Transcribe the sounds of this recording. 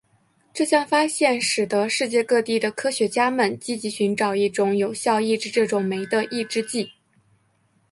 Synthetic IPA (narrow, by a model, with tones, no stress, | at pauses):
ʈ͡ʂɤ˥˧ɕjɑ˥˧ŋfa˥ɕjɛ˥˩nʂɻ̩˨˩d̪ə˦ʂɻ̩˥˧t͡ɕjɛ˥˧kɤ˥˧t̪i˥˩d̪ə˩kʰɤ˥ɕɥɛ˧˥t͡ɕja˥mə˨nt͡ɕi˥t͡ɕi˧˥ɕy˧˥nʈ͡ʂɑ˨˩ʊi˥˩ʈ͡ʂʊ˧˥ŋjo˨˩ʊɕjɑ˥˧ʊi˥˧ʈ͡ʂɻ̩˥˧ʈ͡ʂɤ˥˩ʈ͡ʂʊ˨˩ŋme˧˥ɪd̪ə˧ʔi˥˩ʈ͡ʂɻ̩˥t͡ɕi˥˩